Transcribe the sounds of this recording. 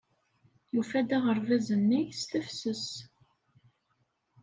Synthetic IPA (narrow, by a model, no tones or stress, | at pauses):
jufæd̪æʁəɾvæzənːijst̪əfsəs